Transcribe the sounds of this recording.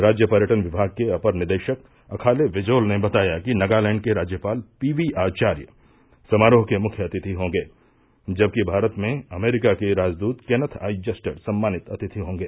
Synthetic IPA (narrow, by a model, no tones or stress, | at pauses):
ɾaːd͡ʒjəpɐɾjəʈənʋɪbʱaːɡ̚keɐpəɾnɪɾd̪eːʃək | ɐkʰaːleʋɪd͡ʒoːlnebɐt̪aːjakinɐɡaːlɛ̃ːɳɖ̚keɾaːd͡ʒjəpaːlpiːʋiaːt͡ʃaːɾjə̰ | sɐmaːɾoːɦkemʊkʰjəɐt̪ɪt̪ʰiɦõːŋɡeː | d͡ʒɐb̚kibʱaːɾət̪mẽɐmeːɾɪkakeɾaːd͡ʒd̪uːt̪kenət̪ʰa̰ːid͡ʒɐsʈəɾsɐmːaːnɪt̪ɐt̪ɪt̪ʰiɦõːŋɡeː